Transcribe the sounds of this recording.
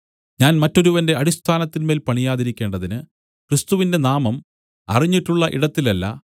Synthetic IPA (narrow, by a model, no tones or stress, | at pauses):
ɲaːnmɐtːo̞ɾuʋɐnde̞ɐɽist̪ʰaːnɐt̪ːinme̞ːlpɐɳijaːðiɾikʲːe̞ːɳɖɐðinɨ | kɾɨst̪uʋinde̞naːmɐm | ɐ̰riɲːiʈːuɭːɐʔiɽɐt̪ːilɐlːɐ̰